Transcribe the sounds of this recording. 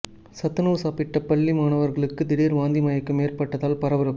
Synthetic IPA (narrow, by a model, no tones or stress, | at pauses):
sɐt̪ːɯnuːʋsaːpɪʈːɐpːɐɭːimaːnɐʋɐɾɣɐɭɯkːɯd̪ɪɽeːɾʋaːnd̪imɐjɐkːɯmeːrpɐʈːɐðaːlpɐɾɐʋɐɾɯ